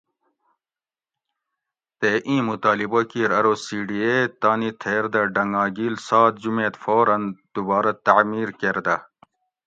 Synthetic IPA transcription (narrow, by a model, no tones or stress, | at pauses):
t̪eʔĩːmut̪aːlibokiɾɐɾosiːɖiet̪aːnit̪ʰeːɾd̪ɐɖɐŋɡɑːɡiːlsɑːt̪d͡ʑumeːt̪foːɾɐnd̪̥ubɑːɾɐt̪aʕmiːɾkeɾd̪ɐ